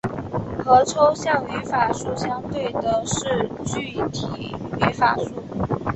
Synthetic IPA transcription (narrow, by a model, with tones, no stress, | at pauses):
xɤ˧˥ʈ͡ʂʰo˥ʊɕjɑ˥˩ŋy˧˥fa˨˩ʂu˥˩ɕjɑ˥ŋt̪we˥˩ɪd̪ə˩ʂɻ̩˥˧t͡ɕy˥˩t̪ʰḭ˨˩y˧˥fa̰˨˩ʂu˥˩